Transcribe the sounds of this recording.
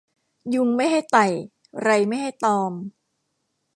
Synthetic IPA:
ju˧ŋma˥˩jɦa˥˩jt̪a˨˩j | ɾa˧jma˥˩jɦa˥˩jt̪ɔː˧m

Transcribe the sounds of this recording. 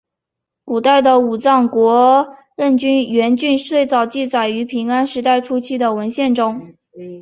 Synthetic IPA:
ku˨˩t̪a˥˩ɪd̪ə˩u˨˩t͡sɑ˥˩ŋkwɔ˧˥ | ɻə˥˩nt͡ɕy˥nɥɛ˧˥nt͡ɕy˥˧nʂ̩˥we˥˩ɪt͡sɑ˨˩ʊt͡ɕi˥˩t͡sa˨˩ɪy˧˥pʰi˧˥ŋa˥nʂɻ̩˧˥t̪a˥˩ɪʈ͡ʂʰu˥t͡ɕʰi˥˩d̪ə˨wə˧˥nɕjɛ˥˩nʈ͡ʂʊ˥ŋ

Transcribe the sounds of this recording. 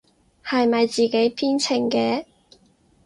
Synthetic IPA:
hɐ˨jmɐ˨jt͡siː˨ke˨˥jpʰiː˥nt͡sʰɪ˨˩ŋkɛː˧

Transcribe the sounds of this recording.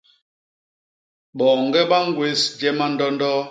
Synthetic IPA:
ɓɔː˨ŋɡɛ˦ɓa˦ŋ˦ɡwe˦sd͡ʒɛ˦ma˦n̩˦dɔ˦n˦dɔ˦

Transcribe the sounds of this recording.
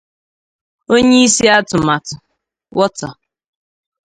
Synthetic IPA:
o˦ɲe˦i˦si˦a˦tʊ˨ma˨tʊ˨ | wɔ˦tɔ˨

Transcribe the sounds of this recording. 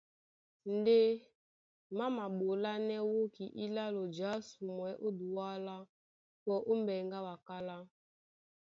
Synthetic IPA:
n̩˨˦de˦ | ma˦ma˨ɓo˨la˦nɛ˦wo˦ki˨ʔi˦la˦lo˨d͡ʒa˨˦su˨mwɛ˨˦ʔo˦du˨wa˦la˦ | pɔ˨˦ʔo˦m˦bɛ˨ŋɡa˦wa˨ka˦la˦

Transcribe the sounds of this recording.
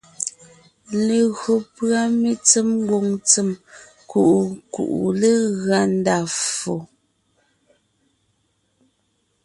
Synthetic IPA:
le˨ɣɰo˨pɰa˦me˦t͡se˦mŋ˦ɡwo˨ŋt͡se˨m | ku˨ʔu˨kṵ˨ʔṵ˨le˦ɣɰa˦n˦da˨fo˨

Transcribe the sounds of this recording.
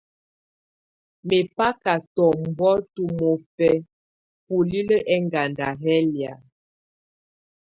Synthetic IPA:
me˨pa˦ka˨tɔ˨m˨bɔ˦tu˨mo˨pɛ˦ | pu˨li˦lə˦ʔɛ˦ŋɡa˨nda˨ɦɛ˦lja˨

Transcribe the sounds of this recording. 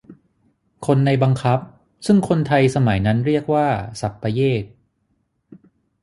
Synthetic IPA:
kʰo˧nːa˧jba˧ŋkʰa˦˥p̚ | sɯ˥˩ŋkʰo˧nt̪ʰa˧jsa˧ma˩˦jna˦˥nɾi˥˩ək̚waː˥˩sa˨˩pːa˧jeː˥˩k̚

